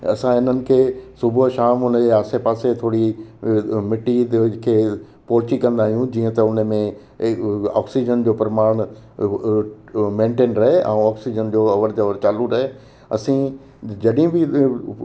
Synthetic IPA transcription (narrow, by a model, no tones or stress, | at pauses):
ɐ̰sãɪn̤ənɪ̆kʰeːsʊbʱʃaːmʊnəd͡ʑeaːsepaːset̪ʰoːɽi | mɪʈid̪kʰeː | pɔːt͡ɕikɐ̃nd̪aːɦijũd͡ʑiːə̃t̪ɐʊnəmẽ | a̰ːksid͡ʑənd͡ʑoːpɾɐmaːɽ̃ | mẽːɳʈeːnɾɐɦeʔɛ̰̃ũɔːksid͡ʑənd͡ʑoːɐʋəɾd͡ʑɐʋəɾt͡ɕaːluɾɐɦe | ɐ̰sĩ | d͡ʑɐɗɦĩbɪ